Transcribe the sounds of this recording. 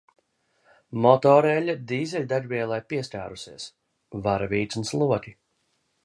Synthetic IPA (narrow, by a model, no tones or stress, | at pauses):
mɔt̪ɔɾɛlʲad̪iːzɛlʲd̪aɾʲvʲiɛlˠajpiɛsʲt̪ʲa̰ːɾusiɛs | vaɾvʲiːt̪sunslˠuɔkʲi